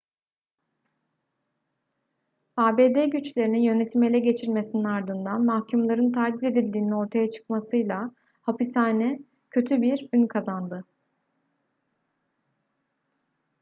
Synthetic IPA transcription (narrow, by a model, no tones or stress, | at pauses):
aːbe̞ːd̪eɟyt͡ʃlʲe̞ɾinijø̞ne̞t̪ʰimelʲɛɟe̞t͡ʃʰiɾme̞sininaɾd̪ɯnd̪anmahcʰymlˠaɾɯnt̪ʰaɾd̪ize̞d̪ilʲd̪iːnino̞ɾt̪ʰajat͡ʃʰɯ̥kmasɯjlˠa | hapisaːnɛ | cʰø̞t̪ʰybiɾynkʰazand̪ɯ